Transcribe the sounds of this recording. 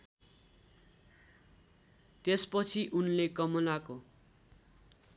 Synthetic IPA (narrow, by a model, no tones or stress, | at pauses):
t̪espʌt͡sʰiʔunlekʌmolako